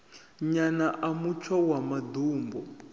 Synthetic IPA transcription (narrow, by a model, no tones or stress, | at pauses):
ɲanaʔamut͡ʃʰawamad̪uːmbɔ